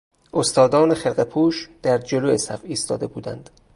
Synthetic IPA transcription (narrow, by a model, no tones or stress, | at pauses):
ʔost̪ɒːd̪ɒːnexelɢepʰuːʃd̪̥æɾd͡ʒoloesæfiːst̪ɒ̰ːd̪e̞buːd̪ænd̪̥